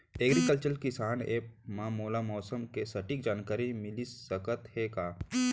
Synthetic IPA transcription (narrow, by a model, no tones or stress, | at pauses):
eːɡɾikəlt͡ʃəɾkɪsaːneːk̚mãːmoːlamɔːsəmkesɐʈik̚d͡ʒaːnkaːɾimɪlisːɐkət̪hekaː